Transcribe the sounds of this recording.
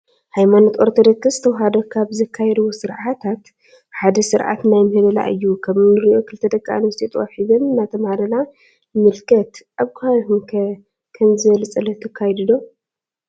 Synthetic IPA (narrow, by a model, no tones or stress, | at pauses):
hajmanot̪ʔoɾt̪ʰod̪okʰɨsɨt̪ʰɐwɦad̪okʰaβzɐkʰːajɛd̪wosɨɾʕat̪ʰat̪ | ħad̪ɐsɨɾʔa̰t̪najmɨhɨβɐla̰ʔɨ̰jːukʰɐβnɨɾiʔo̞kʰɨlt̪ʰɐd̪ɐkʼːa̰nvɐst̪ʰit̪ʼwaħizomnat̪ʰɐmhadɐla | mɨlkʰɐt̪ʔaβkʰajhumʰ | kʰɐmzɨβɐlt͡sʼɐlɐt̪ʰɐkʰːajd̪ɨd̪o̞